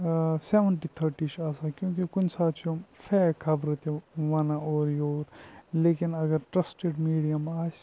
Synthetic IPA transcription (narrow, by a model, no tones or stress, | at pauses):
seːʋənʈit̪ʰɐɾʈit͡ʃaːsakjõːkikʊnsaːt͡ʃʰõfʰeːkʰɐbɾɐt̪eʋɐnaoːɾjoːɾleːkinɐɡɐɾʈɾɐsʈeɖmiːɽijɐmaːs